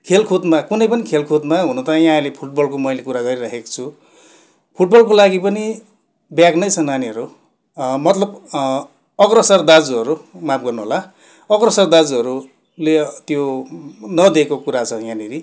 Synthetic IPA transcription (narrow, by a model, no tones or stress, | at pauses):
kʰelkʰod̪makunʌjpʌnikʰelkʰod̪maɦunʌt̪ãjãlepʰuʈ̚bʌlkomʌjlekuɾaɡʌɾiɾakʰeko̥t͡sʰu | pʰuʈ̚bʌlk̬olaɡipʌni | bjaknʌjt͡sʰʌnaniʌɾu | mʌt̪lʌb | ʌkrʌsʌrd̪ad͡zuʌɾumap̚ʰɡʌrnuɦola | ʌkrʌsʌrd̪ad͡zuɦʌɾu | let̪jo | nʌd̪ekokuɾat͡sʰʌjãniɾi